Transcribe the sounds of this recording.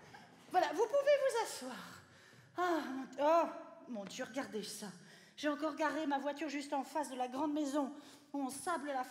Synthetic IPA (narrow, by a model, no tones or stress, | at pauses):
vwalavupuvevuzaswaːʁ | amɔ̃ɔmɔ̃d̪jøʁəɡaʁd̪esa | ʒ̥eɑ̃kɔʁɡaʁemavwat̪yʁʒyst̪ɑ̃fasd̪əlaɡʁɑ̃d̪mezɔ̃ | ɔ̃sabləla